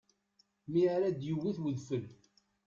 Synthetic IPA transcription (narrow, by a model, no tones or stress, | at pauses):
miɾæd̪jəwːiθwəðfəl